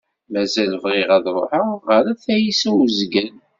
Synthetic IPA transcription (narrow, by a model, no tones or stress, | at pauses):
mæzælvʁɪʁæðɾˤo̰ħaʁəɾæθæjisæwzɡən